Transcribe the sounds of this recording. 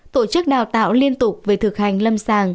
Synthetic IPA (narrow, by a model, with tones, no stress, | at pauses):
t̪o˧˩t͡ɕɨ˦˥k̚ɗaː˨˩wt̪a̰ː˧˨wli˧ənt̪ʊ˨˩pk͡p̚veː˨˩t̪ʰɨ˨˩k̚ha˨˩jŋ̟lə˧msaː˧˨˩ŋ